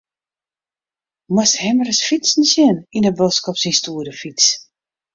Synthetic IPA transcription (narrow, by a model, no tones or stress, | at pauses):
mɔsthɛməɾəsfit͡sn̩sjɪninəbɔskɔpsinstuːəɾəfis